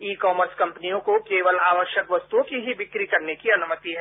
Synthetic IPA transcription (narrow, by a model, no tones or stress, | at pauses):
iːkɔːməɾskɐ̃mpnijõkokeːʋəlaːʋəɾʃjəkʋɐst̪uõkiɦibɪkɾikɐɾnekiɐnʊmət̪iɦɛ